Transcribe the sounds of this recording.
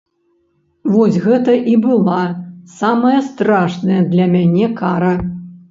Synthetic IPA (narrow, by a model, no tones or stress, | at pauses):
vɔsʲɣɛt̪ɐʔibɨlˠasamɐjɐst̪ɾaʂnɐjɐd̪lʲɐmʲanʲɛkaɾɐ